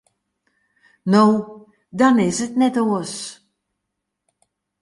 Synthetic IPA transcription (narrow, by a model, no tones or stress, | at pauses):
now | dɑnɪsətnɛtoːəs